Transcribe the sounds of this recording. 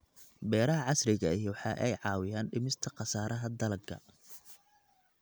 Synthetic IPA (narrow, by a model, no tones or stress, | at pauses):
bɛːɾɐɦɐʕɑsrɪɣɐɪjwħɑːʔɛjʕɑːwɪjaːnɖɪmɪst̪ʰɐqɑsaːɾɐɦɐd̪ɐlɐɡɡɐ̰